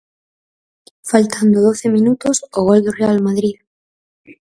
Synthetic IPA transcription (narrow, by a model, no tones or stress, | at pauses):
falt̪ʰand̪oð̞o̞θemĩnut̪osoɣ̞old̪orealmaðɾið